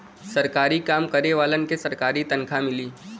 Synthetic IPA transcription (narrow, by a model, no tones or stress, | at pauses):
sɐɾkaːɾikaːmkəɾeʋaːlənkesɐɾkaːɾit̪ɐnkʰamɪliː